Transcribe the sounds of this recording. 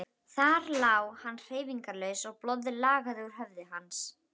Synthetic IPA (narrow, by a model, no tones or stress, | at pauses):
θaɾlaːwhanːr̥eːjviŋkaɾlœːɥsɔɣplɔwðɪlaːɣaðɪuɾ̥ɦœvðɪɦans